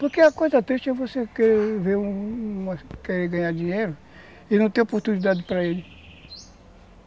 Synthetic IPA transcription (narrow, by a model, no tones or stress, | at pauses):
poɾkeɐkojzɐt̪ɾiʃt͡ʃɛvosekɛɾveɾũũmɐkeɾeɡɐ̃ɲaɾd͡ʒĩɲejɾʊ | ɪnɐ̃w̃t̪ẽj̃opoɾt̪unid̪ad̪ɪpɾɐelɪ